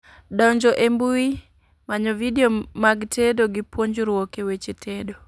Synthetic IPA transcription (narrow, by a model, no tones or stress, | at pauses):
dɔɲd͡ʒɔʔembui | maɲɔvideomaɡtʰedoɡɪpwoɲd͡ʒɾwɔkewet͡ʃetʰedo